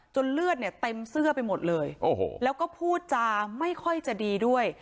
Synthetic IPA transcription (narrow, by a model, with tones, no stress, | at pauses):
t͡ɕo˧nlɯ˥˩ət̪̚ni˥˩ɐt̪e˧msɯ˥˩ɐpa˧jmo˨˩t̪̚lɤː˧jʔoː˨˩ho̰ː˧˩lɛː˦˥wkɔː˥˩pʰuː˥˩t̪̚t͡ɕa˧ma˥˩jkʰɔ˥˩jt͡ɕa˨˩diː˧du˥˩əj